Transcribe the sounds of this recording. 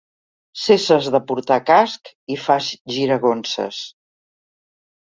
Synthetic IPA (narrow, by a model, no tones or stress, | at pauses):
sesəzðəpuɾt̪akask | ifazʒiɾəɣonsə̰s